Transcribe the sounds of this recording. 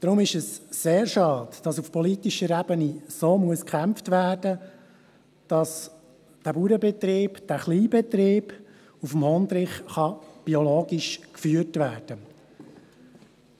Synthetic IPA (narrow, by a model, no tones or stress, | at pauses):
d̥ɾʊmɪʃɛsseːɾʃɑːtd̥ɑsufpɔlit̪iʃəɾɛbənisoːmuəskʰχæmftʋæːɾdə | d̥ɑs | d̥æbuɾəbɛt̪ɾiːbd̥æːχliːbɛt̪ɾiːb̥ | ufmhɔnd̪ɾɪχχɑb̥iɔloːɡiʃkfyətvʋæːɾd̥ə